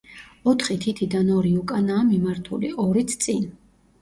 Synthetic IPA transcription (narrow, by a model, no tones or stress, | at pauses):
ɔt̪ʰχit̪ʰit̪ʰid̪anɔɾiukʼanaːmimaɾt̪ʰṵlḭʔɔɾit̪ʰt̪sʼin